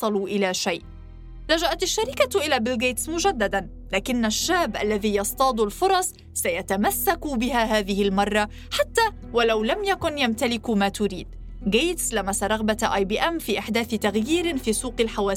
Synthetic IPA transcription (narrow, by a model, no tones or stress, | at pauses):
ɑluʔɪlaːʃajʔ | lad͡ʒaʔat̪aʃːaɾɪkaʔɪlaːbɪlɡejt̪smʊʒad̪ːad̪an | laːkɪnːaʃːaːbʔa̰lːaðiːjɑst̪ˤɑːd̪ˤʊlfʊɾˤɑsˤ | sajat̪amasːakubɪɦaɦaːðɪhɪlmɑrˤːɑ | ħat̪ːaː | walawlamjakʊnjamt̪alɪkmaːt̪ʊɾḭːd̪̥̚ | ɡeːt̪slamasaɾˤɑɣbat̪ʔɑːjbiːʔamːfiːʔaħd̪aːθɪt̪aɣjiːɾɪfiːsuːqɪlħawaːs